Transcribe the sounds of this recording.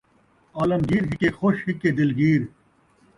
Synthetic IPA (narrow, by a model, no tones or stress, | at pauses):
aːlɐmɡiːɾɦikexoːɕhikːed̪ɪlɡiːɾ